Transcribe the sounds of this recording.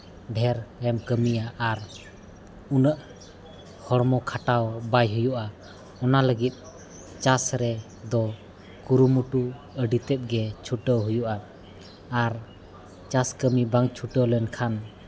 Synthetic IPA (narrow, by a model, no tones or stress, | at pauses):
ɖʱɛɾɾɛmkəmijaʔːɾ | unəʔ | hɔɽmɔkʰaʈawbajɦujuʔa | ɔnaləɡit̪̚ˀ | t͡ʃasɾɛ | d̪ɔ | kuɾumuʈu | əɖit̪ɛt̪̚ˀɡɛt͡ʃʰuʈəwɦujuʔaː | ɾ | t͡ʃaskəmibaŋt͡ʃʰuʈəwlɛnkʰan